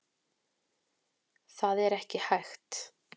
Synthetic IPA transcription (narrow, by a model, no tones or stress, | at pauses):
θaðɛɾɛhcɪhajxt̪